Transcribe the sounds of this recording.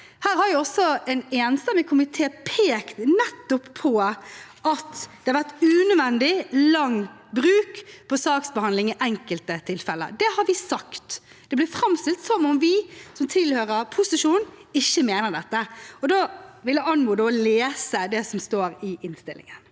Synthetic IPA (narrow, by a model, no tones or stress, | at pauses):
hæːɾhɑɾjɪɔsɔɛɪneːnst̪ɛmɪkʰʊmɪt̪ʰeːpʰeːkt̪nɛt̪ːʊpʰːɔʔɑt̪d̥̪ɛhɑɾʋæʁt̪ʉːnʉʋɛnd̪ɪlɑŋːbɾʉːkpʰɔsɑːksbəhɑnd̪lɪŋɪʔɛŋkəlt̪ət̪ʰɪlfɛlə̰d̪ɛhɑɾʋɪsɑkt̪ | d̪̥ɛblɪɾfɾɑmst̪ɪlt̪sɔmɔmʋɪsɔmt̪ʰɪlhøːɾəɾpʰʊsɪʂuːnɪçːəmeːnəʁd̪ɛt̪ːəɔd̪oːʋɪlːəɑnmuːd̪oːleːsəd̪ɛsɔmst̪oːɾɪʔɪnst̪ɪ̰lʔɪ̰ŋən